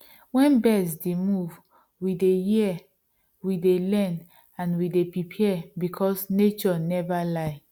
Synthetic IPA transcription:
wɛ̃nbɛsdemuv | widejiɛ | widelɛ̃n | ãnwidepɹipʰiɛbikʰɔsnet͡ʃɔnɛvalaɪ

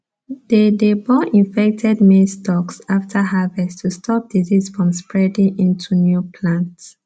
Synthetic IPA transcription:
dedebɔʔĩnfɛk̚tʰɛdmestʰɔksaftʰəɦavɛstʰustʰɔp̚d̥izisfɹɔ̃mspɹɛdĩŋʔĩntʰunjupʰlãnts

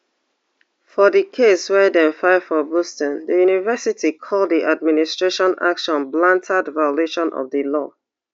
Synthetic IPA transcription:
fɔðəkʰeswɛdɛ̃nfaɪfɔbustɔ̃ndəjunivɜsitʰikʰɔlˠdiʔad̚ministɹ̥eʃɔ̃na̰kʃɔ̃nblãntʰadvaɪleʃɔ̃nʔɔ̰vðəlɔ̰

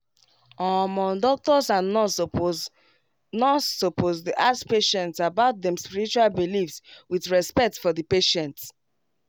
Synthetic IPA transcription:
ɔ̃mɔ̃ndɔk̚tɔsãn | nɔsopʰozdiʔaspeʃɛ̃ntsabaʊt̚dɛ̃mspiɹit͡ʃualbilifswiθɹɛspɛk̚tfɔðəpeʃɛ̃nt

